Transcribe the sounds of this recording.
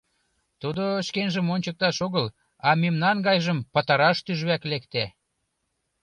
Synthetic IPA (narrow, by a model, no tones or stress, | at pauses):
t̪ud̪oʃkenʒə̆monʲt͡ɕək̚t̪ɑʃoɣəl | ɑmemnɑnɡɑjʒəmpət̪ɑɾɑʃt̪yʒβæklekt̪æ